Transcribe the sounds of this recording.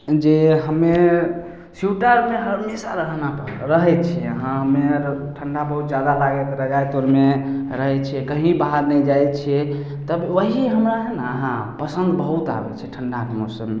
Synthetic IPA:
d͡ʒeɦəmːe | sjuʈəɾmeɦəɾmesaɾəɦnapə̰ɾɾəɦɛjt͡ʃʰiəɦãɦəmːeʈʰəɳɖabəɦut̪̚d͡ʒjad̪alaɡɛt̪ɾəɦd͡ʒajt̪oɾmeɾəɦɛt͡ʃʰɛkəɦĩbaɦaɾnɛjd͡ʒajt͡ʃʰɛ | t̪əbʋəɦiɦəmɾaɦɛnaəɦãpəsə̃nd̪bəɦut̪a̰bɛ̰t͡ʃʰɛʈʰəɳɖakmosəmːe

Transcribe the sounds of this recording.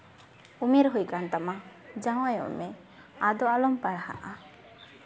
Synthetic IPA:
umeɾɦujkant̪amad͡ʒaw̃ajɔ̰ʔmɛ | ad̪ɔalɔmpaɽha̰ʔa

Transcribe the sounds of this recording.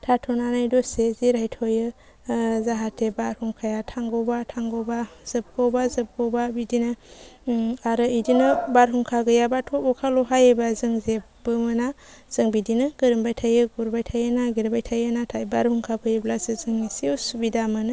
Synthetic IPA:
tʰatʰɔnanajdɔseziɾajtʰɔjɯ | zaɦatʰebaɾhuŋkʰajatʰaŋɡɔbatʰaŋɡɔbaz̥ɯb̚ɡɔwbazɯp̚ɡɔbabidinɯ | aɾɯidinɯbaɾɦuŋkʰaɡɯjabatʰɔɔkʰalɔɦajebazɯŋzepbɯmɯna | z̥ɯŋbidinɯɡɯɾɯmbajtʰajɯɡuɾbajtʰajɯnaɡiɾbajtʰajɯnatʰajbaɾhuŋkʰapʰɯjɯblasɯzɯŋisiɔsubidamɯnɯ

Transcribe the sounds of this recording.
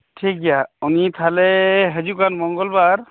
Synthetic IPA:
ʈʰik̚ɡjaunit̪ʰalɛɦəzukanmɔŋɡɔlbaɹ

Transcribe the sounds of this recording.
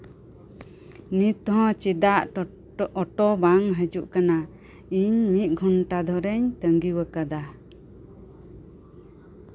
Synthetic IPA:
nit̪ɔɦɔ̃t͡ʃid̪aʔ | ɔʈɔbaŋɦəd͡ʒuʔkana | iɲmit̪̚ˀɡʱɔnʈad̪ʱɔɾɛɲt̪əŋɡiwəkad̪a

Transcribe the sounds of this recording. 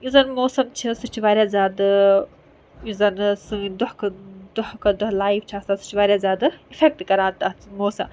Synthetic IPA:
izɐnmoːsɐmt͡ʃʰisut͡ʃʰiʋaːɾʲjaːzʲaːd̪ɨ | izɐnsɨd̪ʊhkɐd̪uhkɐd̪ʊɦlaːift͡ʃʰaːsasɨ̥t͡ʃʰiʋaːɾʲjazʲaːd̪ɨifʰek̚ʈkɐɾaːt̪amoːsɐm

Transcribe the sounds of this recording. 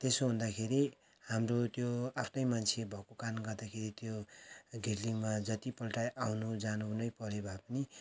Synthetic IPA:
t̪esoɦund̪akʰeɾi | hamrot̪joapʰnʌjmant͡sʰebʱʌkokanɡʌrd̪akʰeɾit̪joɡʱeɽliŋmad͡zʌt̪ipʌlʈajʔawnud͡zanunʌjpʌɾebʱapʌni

